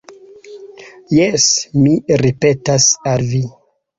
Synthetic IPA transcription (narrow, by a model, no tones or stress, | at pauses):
jesmiɾipe̞tasalvi